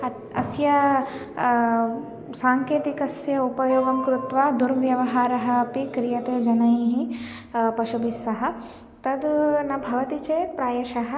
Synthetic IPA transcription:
ɐ | ɐsjɐ | saːŋkeːt̪ikɐsjɐupɐjoːɡɐmkɾut̪ʋaːd̪uɾʋjɐʋɐɦaːɾɐɦɐːpikɾijɐt̪eːd͡ʒɐnɐjiɦi | pɐʃubisɐɦɐ̆ | t̪ɐd̪nɐbʱɐʋɐt̪it͡ʃepɾaːjɐʃɐɦɐ

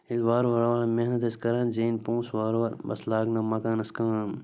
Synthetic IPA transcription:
ilʋaːɾʋɐɾoʋɐːlmeɦnɐt̪ɐskɐɾaːnzeːnpũːsʋaːɾoʋɐɾbɐ̰slaːɡnɐmɐkaːnɐskãm

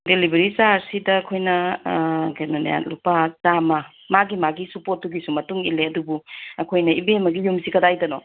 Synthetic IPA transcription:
delibeɾisaɾsidɐːkʰojnɐ | ɡenon̰ja̰lupazamɐ | maɡimaɡisupot̚ːuɡisumɐtuŋileɐdubuɐkʰojnɐibemɐɡijumsikɐdajdɐno

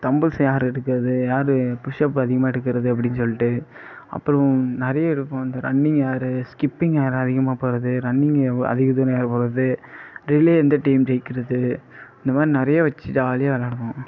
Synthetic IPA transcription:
t̪ɐmbɯlsjaːɾɪɽɯkːɯɾɐðɯjaːɾɯpʊʂɐp̬ːɯɐðɪɣɐmaːɪɽɯk̬ːɪɾɐðɯɐp̬ːɐɽɪnːɯsɔlːɪʈːɯ | ɐ̰pːɯɾɔ̃nɪɾɐjaɪɽɯpːõːɪnd̪ɐɾɐɳːɪŋɡjaːɾɯskɪpːɪŋjaːɾɐðɪɣɐmaːpoːɾɐðɯɾɐɳːɪŋɡɐ̰ðɪɣɐt̪uːɾɐ̃jaːɾɯpoːɾɾɐðɯɾɪleːɛnd̪ɐʈɐɪmd͡ʒɛkːɪɾɐðɯɪnd̪ɐmaːðɾinɪɾɐjaʋɐt͡ʃːɪtaːlɪjaʋɐlaːɽɯʋõː

